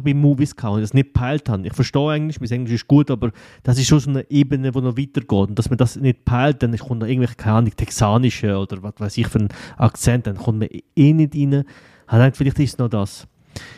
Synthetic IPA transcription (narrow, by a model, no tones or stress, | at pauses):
bimuːviskʰaːhnd̥ɑsnɪt̚pʰaɪlthanɪχfəɾʃtɔːaɪən̩tlɪʃmiːsɛŋnlɪʃɪʃɡ̥uətɑːbəɾ | d̥ɑs̬ɪʃʃoːsoːnəʔeːbənəvoːnɔviːtəɾɡ̥ɔːtʊntd̥ɑsmədasnɪt̚pʰaɪlt̚d̥ɛnɪχʊntɔɪɡŋ̩vɛlχikʰaɪaːnɪɡ̥̚tʰɛksaːnɪʃəod̥əɾvasvaɪsɪχfyɾənʔa̰kt͡sɛnt̚d̥ɛnχʊntməeːnɪdinə | haɛɪŋntfɪlɪχtɪʃsnɔdas